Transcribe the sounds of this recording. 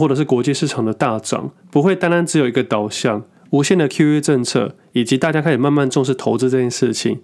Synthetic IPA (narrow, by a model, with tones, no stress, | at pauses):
wɔ˥˩ʈ͡ʂɤ˨˩ʂɻ̩˥˩kwɔ˧˥t͡ɕi˥˧ʂɻ̩˥˩ʈ͡ʂʰɑ˨˩ŋd̪ə˩˦t̪a˥˩ʈ͡ʂɑ̰˨˩ŋ | pu˧˥xwe˥˩ɪt̪a˥nɻa˥˦nʈ͡ʂɻ̩˧˥jo˨˩ʊi˧˥ɡə˧t̪ɑ˨˩ʊɕjɑ˥˩ŋ | u˧˥ɕjɛ˥˩nd̪ə˩kʰju˥ɛ˥ʈ͡ʂə˥˧ŋt͡sʰɤ̰˥˩ | i˨˩t͡ɕi˧˥t̪a˥˩t͡ɕja˥kʰa˥˩i˨˩ma˥˧nma˥˧nʈ͡ʂʊ˥˧ŋʂɻ̩˥˩t̪ʰo˧ʊt͡sɹ̩˥˧ʈ͡ʂɤ˥˧t͡ɕʰjɛ˥˧nʂɻ̩˥˩t͡ɕʰḭ˨˦ŋ